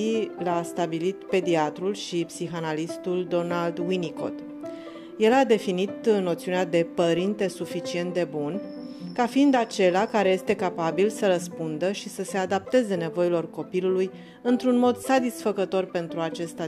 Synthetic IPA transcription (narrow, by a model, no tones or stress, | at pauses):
ilast̪abilit̪pe̞d̪iat̪ɾulʃipsixanalist̪uld̪o̞nald̪winiko̞̰t̪ | je̞lad̪e̞finit̪ɨnːot̪siunead̪e̞pəɾint̪e̞sufit͡ʃie̞nt̪̚d̪e̞bun | kafiind̪at͡ʃe̞lakaɾe̞je̞st̪e̞kapabilsəɾəspund̪əʃisəse̞ad̪ap̚t̪e̞ze̞ne̞vo̞ilo̞rko̞piluluj | ɨnt̪ɾunmo̞d̪sat̪isfəkət̪o̞rpe̞nt̪ɾuat͡ʃe̞st̪a